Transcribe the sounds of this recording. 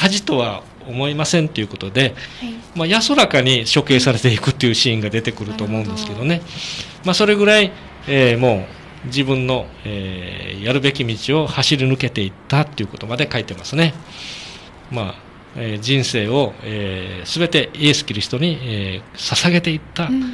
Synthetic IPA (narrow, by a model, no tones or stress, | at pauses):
haʑit̪o̞βa | o̞mo̞imasẽnt̪ːe̞jɯ̟ko̞t̪o̞d̪e̞majaso̞ɾakaɲ̟iɕo̞ke̞ːsaɾe̞t̪e̞ikɯ̟t̪ːe̞jɯ̟ɕĩːŋɡad̪e̞t̪e̞kɯ̟ɾɯ̟t̪o̞ːmo̞ɯ̟̃nd̪esɨ̥ke̞d̪o̞ne̞ | maso̞ɾe̞ɡɯ̟ɾai | emo̞ː | d͡ʑibɯ̟̃nːo̞ejaɾɯ̟be̞kʲimʲit͡ɕio̞haɕiɾʲinɯ̟ke̞t̪e̞it̪ːat̪ːe̞iɯ̟ko̞t̪o̞mad̪e̞kait̪e̞masɨne̞ | ma | ed͡ʑĩɰ̃se̞ːo̞eːsɨbe̞t̪e̞iesɨ̥kʲiɾʲiçi̥t̪o̞ɲ̟iesasaɡe̞t̪e̞it̪ːa